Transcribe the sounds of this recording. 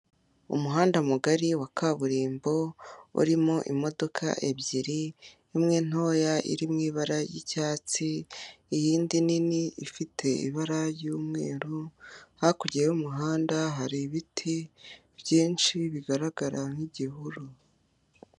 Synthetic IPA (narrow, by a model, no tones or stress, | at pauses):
ṵmuɦaːndamuɡaɾiwakʰaβuɾiːmbo̞ṵɾimo̞ʔimo̞do̞kʰa̰ʔe̞bɟiɾi | emŋe̞n̥ho̞ːjaʔḭɾimŋiːβaɾajicaːt͡siːjiːndininiifitʰe̞ḭβaɾajuːmŋe̞ːɾuhakuɟijeumuɦaːndaɦaɾiβitʰi | b̥jiːnʃiβiɡaɾaɡaɾaŋ̥iɟiɦuɾu